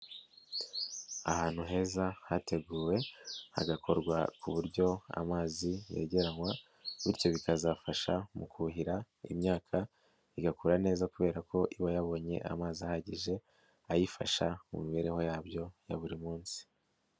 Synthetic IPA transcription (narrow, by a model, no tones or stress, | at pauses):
ahaːn̥huɦe̞ːzahatʰe̞ɡuːwe̞ha̰ɡakʰo̞ɾɡwakuβuɾɟo̞a̰maːzije̞̰ɟe̞ɾaŋwa | βiɾco̞βikazafaʃamukuɦiɾa | ḭmɲaːkʰa | iɡakuːɾane̞ːzakuβe̞ːɾako̞ʔiβajaβo̞ːɲe̞̰ʔa̰maːziahaɟiʒe̞ | ajifa̰ʃamṵmiβe̞ɾe̞ho̞jaːbjo̞jaβuɾimuːnsi̥